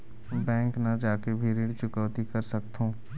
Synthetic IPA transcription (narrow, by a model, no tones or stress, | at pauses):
bɛ̃ːŋknɐd͡ʒaːkebʱiɾeːɖt͡ʃʊkəʋt̪ikɐɾsɐk̚t̪ɦõː